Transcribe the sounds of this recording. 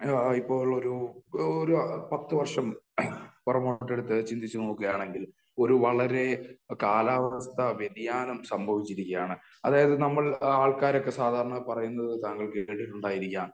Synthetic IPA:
ipːo̞ːɭo̞ɾuoɾupɐt̪ːɨʋɐrʂɐm | purɐmoʈːe̞ɽut̪ːɨt͡ɕind̪it͡ɕːunoːkːɐjaːɳe̞ŋɡil | o̞ɾuʋɐɭɐɾe̞kaːlaːʋɐst̪ɐʋeɾijaːnumsɐmbʱɐʋit͡ɕːiɾikʲːɐjaːɳɨ | ɐðaːjɐðɨnɐmːɐɭaːɭkaːɾo̞kːe̞saːd̪ʱaːɾɐɳɐpɐrɐjunːɐðɨt̪aːŋɡɐɭkeːɽiʈːuɳɖaːjiɾikʲːaːm

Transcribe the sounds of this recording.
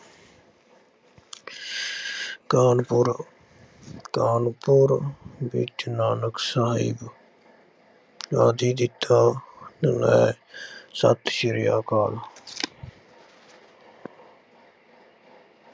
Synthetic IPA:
kaːnpʊɾ | kaːnpʊɾbḭt͡ʃnaːnəksaːɦɪ̰b | d͡ʒa̰ːd̪iːd̪ɪt̪ʰːaːt̪ənɛ̰ː | sə̰t̪ʰʃɪɾɪja̰ːkaːl

